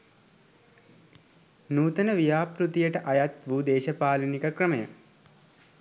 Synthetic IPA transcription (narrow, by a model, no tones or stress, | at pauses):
nuːt̪ənəʋijaːpɾut̪ijəʈəʔɐjat̪ʋuːd̪eːʃɐpaːlinikəkrəməjə